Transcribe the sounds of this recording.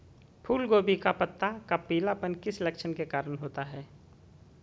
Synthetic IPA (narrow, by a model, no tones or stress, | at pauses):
pʰuːlɡoːbikapət̪ːakapiːlapənkɪslekʃənkekaːɾənɦoːt̪aɦɛː